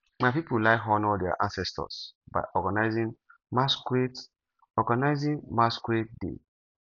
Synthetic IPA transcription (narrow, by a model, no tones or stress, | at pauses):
maɪpipulaɪɦɔ̃nɔldɛa̰ʔãnsɛstɔ̰sba̰ɪʔɔɡanaɪzĩŋ | maskɹet | ɔɡanaɪzĩŋmaskɹet̚dḛ